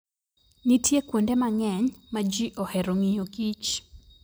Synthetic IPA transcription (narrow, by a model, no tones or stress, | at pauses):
nitʰjekwondɛmaŋɛɲmad͡ʒiʔɔhɛɾoŋijoɡit͡ʃ